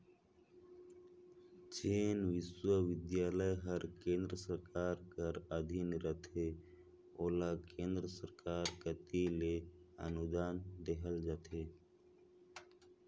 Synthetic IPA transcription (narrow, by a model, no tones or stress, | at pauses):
t͡ʃeːnʋɪʃwəʋɪd̪jaːləjɦəɾkẽːnd̪ɾəsəɾkaːɾkəɾəd̪ʱinɾət̪ʰe | oːlakẽːnd̪ɾəsəɾkaːɾkət̪ileə̰nʊd̪aːnd̪eɦəld͡ʒaːt̪ʰe